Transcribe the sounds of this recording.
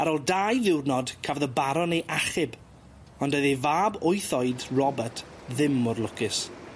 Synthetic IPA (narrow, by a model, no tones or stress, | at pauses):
aɾɔlˠdaːjðɪwrnɔdkʰavðəbaɾɔnejʔaχɪb | ɔndəðivaːbʊjθɔɨdrɔbətʰ | ðɪmːʊrlˠʊkɪs